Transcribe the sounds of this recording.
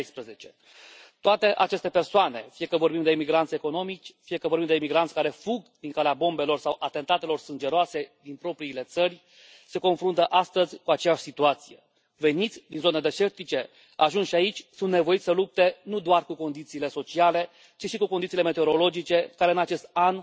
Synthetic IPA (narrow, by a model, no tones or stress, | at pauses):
jspɾəze̞t͡ʃe̞̥ | t̪oat̪e̞ʔat͡ʃe̞st̪epersoane̞fije̞kəvo̞rbimd̪eimiɡɾant̪sʲeko̞no̞mit͡ʃʲfije̞kəvoɾbimd̪eimiɡɾansʲkaɾe̞fuɡd̪iŋkaleabo̞mbe̞lo̞rsawʔat̪e̞nt̪at̪e̞lo̞rsɨnd͡ʒe̞ɾoase̞d̪inpɾo̞pɾiːle̞t̪sərʲ | se̞ko̞nfɾunt̪əʔast̪əzʲkuat͡ʃejaʃʲsit̪uat̪si̥je̞ | ve̞nit̪sʲd̪inzo̞ned̪eʃe̞rt̪it͡ʃe̞ | aʒunʃiait͡ʃʲsunt̪ne̞vo̞it̪ʲsəlup̚t̪e̞nud̪oarkuko̞nd̪it̪siːle̞so̞t͡ʃiale̞ | t͡ʃiʃikukonit̪sileme̞t̪eoɾo̞lo̞d͡ʒit͡ʃe̞kaɾe̞ɨnat͡ʃe̞st̪̚an